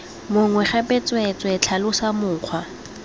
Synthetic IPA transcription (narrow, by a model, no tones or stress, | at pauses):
mʊŋwɛχɛpet͡sʼwet͡sʼwɔt͡ɬʰalʊsamʊːq͡χʰwa